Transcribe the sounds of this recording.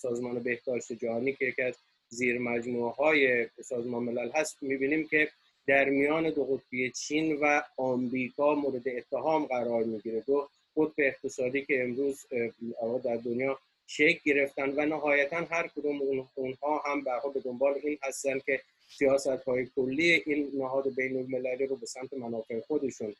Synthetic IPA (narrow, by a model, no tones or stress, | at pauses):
sɒːzmɒːne̞be̞hd̪̥ɒːʃt̪ed͡ʒæhɒːniːcʰejecʰiæz | ziːɾmæd͡ʒmueɦɒːje̞sɒːzmɒːnemelælɦæst̪miːbiːniːmcʰʲe̞ | d̪æɾmijɒːne̞d̪oɣot̪̚ʰbejet͡ʃʰiːnvæɒːmɾiːkʰɒːmoːɾed̪e̞ːt̪ʰːeɦɒːmɢæɾɒːɾmiːɟiːɾe̞d̪o | ɢot̪̚beːχt̪ʰe̞sɒːd̪iːkʲʰe̞ːmɾuːzɒbɒʁed̪æɾd̪onjɒː | ʃekʰɟe̞ɾe̞ft̪ænd̪vænæɦɒːjæt̪ʰænɦæɾkʰod̪uːmunhɒːɦæmbæɾhɒːbe̞d̪o̞mbɒːleiːnhæst̪ænd̪̚kʲʰe̞ | sijɒːsæt̪hɒːje̞kʰolːiːeʔiːnːæɦɒːd̪e̞bejnolmelæliːɾobe̞sæmt̪ʰe̞mænɒːfe̞exod̪e̞ʃun